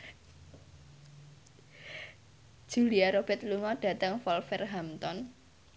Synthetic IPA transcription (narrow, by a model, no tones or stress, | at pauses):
ʒ̥uliaɾob̥ɛ̤t̪̚luŋɔɖ̥ä̤t̪əŋfɔlfɛrɦamt̪ɔn